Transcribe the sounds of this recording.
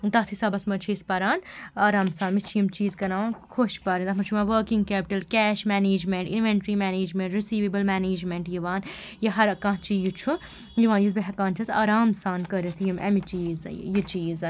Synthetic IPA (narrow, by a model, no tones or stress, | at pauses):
t̪aːt̪ʰisaːbɐsmɐt͡ʃʰiːspɐɾaːnaːɾaːmsãːnmit͡ʃʰijimt͡ʃiːzkɐɾãːkʰoʃpɐɾind̪ɐmɐt͡ʃʰuʋãːʋəːkiŋɡkɛːpiʈɐlkɛːʃmɛːneːd͡ʒmeɳʈinʋeɳʈɾimɛːneːd͡ʒmẽɳʈɾisiːʋeːbəlmɛːneːd͡ʒmeɳʈjiʋãːnjɐɦɐɾɐkãːt͡ʃijut͡ʃʰu | jiʋãːnjizbeɦɐkaːnt͡ʃʰɐza̰ːɾaːmsaːnkəɾit̪ʰjimɐ̰mit͡ʃiːzjit͡ʃiːz